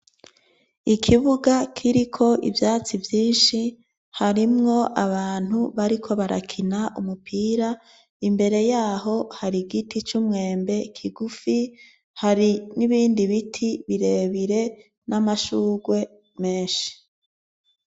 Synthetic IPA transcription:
ikʰiβuɡakʰiɾikʰo̞ʔḭvjaːt͡sivjiːnʃi | haɾimŋo̞ʔaβaːn̥huβaɾikʰo̞βaɾa̰kʰinaʔumupʰiːɾa | imbe̞ɾe̞jaːɦo̞haɾiɡitit͡ʃumŋe̞ːmbe̞kʰiɡufi | haɾiniβiːndiβitʰiβiɾe̞ːβiɾe̞ | nʔamaʃuːɡwe̞ | me̞ːnʃi̥

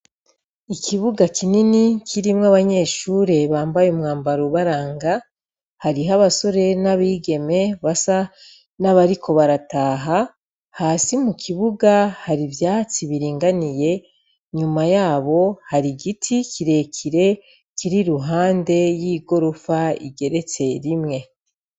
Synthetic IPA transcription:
ikʰiβuɡakininikʰiɾimŋaβaɲe̞ːʃuːɾe̞βaːmbajumŋaːmbaɾoβaɾaːŋɡa | haɾiɦaβaso̞ɾe̞naβiːɡe̞me̞βasa | naβaɾikʰo̞βaɾataːɦa | haːsimukʰiβuɡahaɾivjaːt͡siβiɾiːŋɡanije̞ | ɲumajaːβo̞haɾiɡitʰikiɾe̞kʰiɾe̞ | kiɾiɾuɦaːnde̞jiːɡo̞ɾofaḭɡe̞ɾe̞t͡se̞ɾimŋe̞

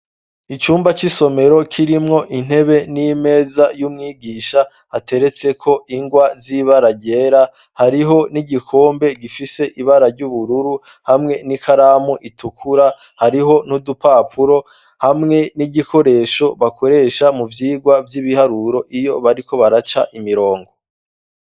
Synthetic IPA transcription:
it͡ʃuːmbat͡ʃiso̞me̞ɾo̞kʰiɾimŋo̞ʔin̥e̞βe̞nime̞ːzajumŋiːɡiːʃa | hatʰe̞ɾe̞t͡se̞kʰo̞ʔiŋɡwaziβaɾaɟe̞ːɾa | haɾiɦo̞niɟikʰo̞ːmbe̞ɡifise̞ʔiβaɾaɾɟuβuɾuɾu | hamŋe̞nikʰaɾaːmuʔitʰukʰuɾa | haɾiɦo̞nudupapʰuɾo̞ | hamŋe̞niɟikʰo̞ɾe̞ːʃo̞βakʰo̞ɾe̞ːʃamuvjiːɡwavjiβihaɾuɾo̞ʔijo̞βaɾikʰo̞βaɾat͡ʃa̰ʔimiɾo̞ːŋɡo

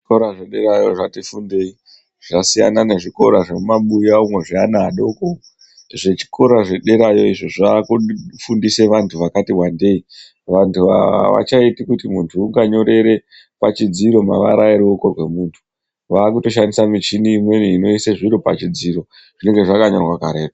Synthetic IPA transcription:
ikoɾaʐeɗe̞ɾajo̞̰ʐatifunde̞ːi | ʐ̥asija̰naneʐiko̞ɾaʐemumaɓujaumwe̞ʐianaːɗo̞ko | eʐet͡ʃi̥ko̞ɾaʐe̞ɗe̞ɾajo̞iʐoʐaːkufundise̞ʋantʰuʋakatiwande̞i | ʋantʰuʋa̰ʋa̰t͡ʃaitikutimuntʰuuŋɡaɲo̞ɾe̞ɾe̞ | pat͡ʃid͡ziɾo̞ma̰ʋa̰ɾaiɾiokorwe̞muːntʰu̥ | ʋaːk̬uto̞ʃandisamit͡ʃiniːmwe̞niino̞iseʐiɾopa̰t͡ʃid͡ziɾo̞ | ʐ̥ine̞ŋɡe̞ʐakaɲorwakaɾe̞ːta

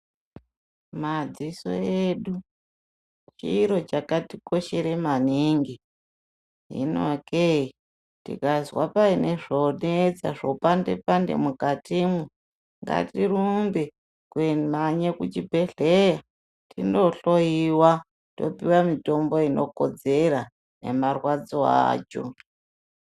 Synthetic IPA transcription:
mad͡ziso̰eɗu | t͡ʃiːɾo̞t͡ʃakatiko̞ʃeɾe̞maniŋɡi | ɦḭno̰kei | tḭkazwapaineʐoned͡za̰ʐopande̞̰pandḛmukatimu | ŋɡa̰tiɾumbe | kwemaɲekut͡ʃibʱe̞ɮeja | tʰindo̞ɬojiwa | to̞̰piwamito̞mbo̞ino̞ko̰d͡ze̞ɾa | ne̞̰marwad͡zoa̰ːt͡ʃo̰

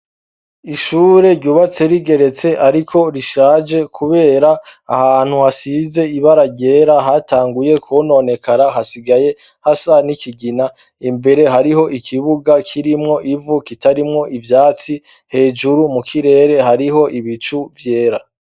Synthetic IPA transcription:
iʃuːɾe̞ɾɟuːβat͡se̞ɾiɡe̞ɾe̞t͡se̞ʔaɾikʰo̞ɾiʃaːd͡ʒe̞kʰuβe̞ːɾa̰ːhaːn̥huhasize̞iβaɾaɟe̞ːɾaɦataːŋɡuje̞kʰono̞ne̞kaɾaɦasiɡaje̞ | hasanikiɡina | imbe̞ɾe̞ɦaɾiɦo̞ʔikʰiβuɡakʰiɾimŋo̞ʔivukitaɾimŋo̞ʔivjaːt͡si | he̞ːd͡ʒuɾumukʰiɾe̞ːɾe̞ɦaɾiɦo̞ʔiβit͡ʃuvje̞ːɾa

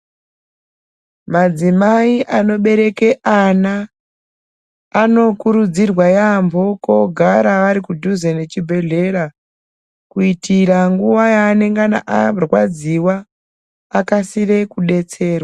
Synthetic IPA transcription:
mad͡zimaiʔano̞ɓe̞ɾe̞ke̞ʔana | no̞kuɾud͡zirwajambo̞ko̞ɡʱaɾaaɾikudʱuzene̞t͡ʃibʱe̞ɮe̞ɾa | kuitiɾaŋɡuʋajaːne̞ŋɡana̰ʔarwad͡ziwaː | kasire̞kuɗe̞t͡se̞ːrwa

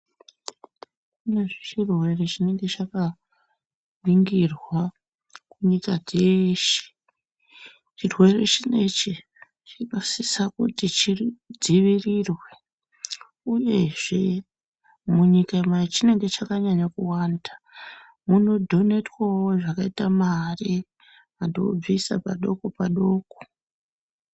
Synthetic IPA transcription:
kuneʐit͡ʃirwe̞ret͡ʃine̞ŋɡe̞t͡ʃaka | ʋiŋɡirwa | kuɲikad͡zeʃi̥ | t͡ʃirwe̞ret͡ʃine̞t͡ʃi | t͡ʃikasisakutit͡ʃid͡ziʋirirwe̞ | uje̞ʐe̞ | muɲikamait͡ʃine̞ŋɡe̞t͡ʃakaɲaɲakuwanda | muno̞dʱo̞ne̞twawoʐakaitamari | andob͡visa̰paɗo̞ko̞paɗo̞ːko̥

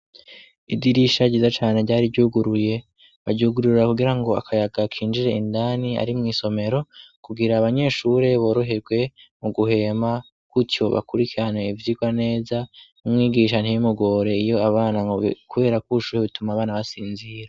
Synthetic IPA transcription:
idiɾiʃaɟiːzat͡ʃaːne̞ɟaːɾiɟuːɡuɾuje̞ | βaɟuɡuɾuɾɾakuɡiɾaŋɡo̞a̰kʰajaɡakʰiːnd͡ʒiɾe̞indaːnia̰ɾimŋiːso̞me̞ɾo̞kuɡiɾaːβaɲe̞ːʃuɾe̞βo̞ːɾoɦeɾɡwe̞muɡuhe̞ma | kuto̞βa̰kuɾikiɾane̞ivjiɡwane̞ːzanumŋiːɡiʃan̥hijumuɡo̞ɾe̞ijo̞aβaːnaŋokʰuβe̞ːɾakuʃuːheβitumaːβaːnaβasiːnziɾa

